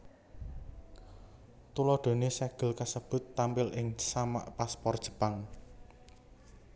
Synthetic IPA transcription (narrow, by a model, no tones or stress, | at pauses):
t̪ulɔɖ̪̥o̤nesɛɡ̥ə̤lkasəb̥ʊ̤t̪ːampɪlɪŋsama̰ʔpaspɔrd̥ʒ̥ə̤paŋ